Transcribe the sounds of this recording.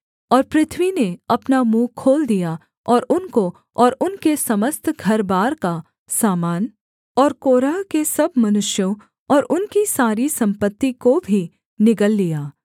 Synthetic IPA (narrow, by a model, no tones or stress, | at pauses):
ɔːɾpɾɪt̪ʰʋineɐpnamũːkʰoːld̪ija | ɔːɾʊnko | ɔːɾʊnkesɐməst̪ʰɡʱɐɾbaːɾka | saːmaːn | ɔːɾkoːɾakesɐbmɐnʊʃjõ | ɔːɾʊnkisaːɾisɐ̃mpət̪ːikobʱi | nɪkəlːijaː